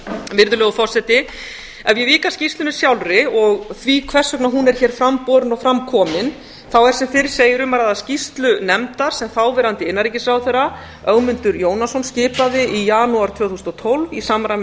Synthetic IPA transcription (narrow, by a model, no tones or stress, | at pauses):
vɪɾðʏlœːɣʏfɔr̥sɛt̪ɪ | ɛjɛviːkḁscist̪lʏnɪ̥sjawlrɪɔɣθvikʰvɛr̥sœknaɦunɛɾ̥çɛːɾ̥fɾampɔɾʏnɔɣfɾamkʰɔːmɪn | θawɛɾsɛmfɪɾ̥seːjɪɾʏmaɾaðascist̪lʏnɛmt̪aɾ̥sɛmθawvɛːɾant̪ɪɪnːaɾicɪsɾawθɛrːa | œɣmʏnt̪ʏɾjoːwnasɔnscɪːpaðɪijaːnuaɾ̥t̪ʰv̥œːwθusnɔt̪ʰowlvisaːmɾa